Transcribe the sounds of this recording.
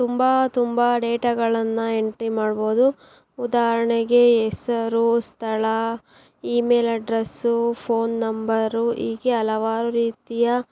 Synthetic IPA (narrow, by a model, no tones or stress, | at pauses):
t̪umbɐt̪umbɐɖeːʈaːɡɐɭɐnːɐeɳʈɾimaːɽbo̞ːd̪u | ud̪aːɦɐɾɐɳeɡe̞ːsɐɾust̪ʰɐɭɐ | iːme̞ːlɐɖɾesupʰo̞ːnːɐmbɐɾuiːɡeɐlɐʋaːɾuɾiːt̪ijɐ